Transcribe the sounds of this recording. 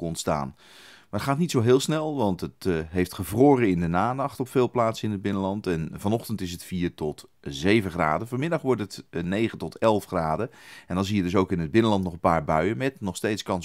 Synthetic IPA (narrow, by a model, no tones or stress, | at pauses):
kɔntsta̰ːn | mmaːɹətχaːtnitsowɦɪːlˠsnɛlˠʋɑntətɦejftχəvroːrəɪndənaːnɑχtɔpfɪːlˠplaːtsəɪnɦəd̚bɪnəlɑntɛnvɑnɔχtəntɪsətfiːɹtɔt | zejvəχra̰ːdəvɔɹmɪdɑχʋɔɹtɦətnejχəntɔtɛlˠfχraːdəɛndɑnzijədɵs̬owkɪnɦəd̚bɪnəlɑntnɔχənpaːɹbœɥəmɛtnɔχstejtskɑns